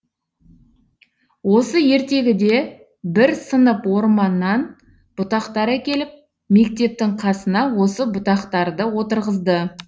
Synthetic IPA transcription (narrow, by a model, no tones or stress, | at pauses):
wo̞səje̞ɾt̪e̞ɡʲɪd̪e̞ | bɪɾsənəpwo̞ɾmɑnːɑn | b̥ʊt̪ɑqt̪ɑɾækʲe̞lɪp̚ | me̞k̚t̪e̞p̚t̪ɪŋqʰɑsənɑwo̞səbʊt̪ɑqt̪ɑɾd̪əwo̞t̪əɾʁəzd̪ə